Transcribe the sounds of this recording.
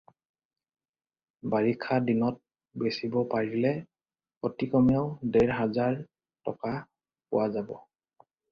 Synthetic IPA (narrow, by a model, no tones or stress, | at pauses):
baɹikʰːadinɔt̚ | besibɔpaɹilɛ | otikɔmiaʊdeɹɦazaɹ | tɔ̰ka | pʊ̰wazabɔ